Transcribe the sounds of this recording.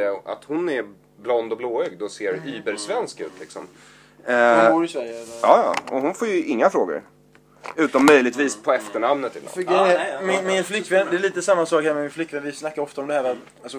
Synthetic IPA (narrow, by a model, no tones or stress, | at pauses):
a̰t̪hʊnɛɾ | blɔnd̪ɔbloːœɡd̪ɔseːɾyːbəɾsvɛnskʉ̟̰ːt̪ʰlɪksɔ̰m | ɾɪsvæɾjəɑːjɑ̰ːɔɦʊnfoːɾjɵʔɪŋːafɾoːɡə̰ɾ | ʉ̟ːt̪anmœjlɪɡt̪viːspʰɔɛft̪əɳamnət̪ɪ̰fɡɛmɪmɪnflʏkːvɛnd̪ɛɭiːt̪əsamːasɑːkhæːɾmɛmɪnflʏkːvɛnvɪsnakːaɾɔft̪aɔmd̪ɛhæːɾat̪ | alsɔ